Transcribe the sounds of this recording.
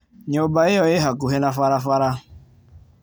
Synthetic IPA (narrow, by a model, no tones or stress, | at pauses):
ɲobaɪjɔɪɦakuɦenafaɾafaɾa